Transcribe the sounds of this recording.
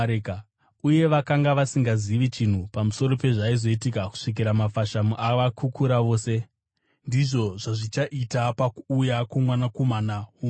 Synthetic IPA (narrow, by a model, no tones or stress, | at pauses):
eka | uje̞ʋakaŋɡaʋasiŋɡaziʋit͡ʃin̤upamuso̞ɾo̞pe̞ʐaizo̞itikaku̥ʂik̬iɾamafaʃamuʔaʋakʰukuɾaʋo̞ːse̞ | ndiʐo̞ʐaʐit͡ʃaʔitapakuːjakomwanakomanau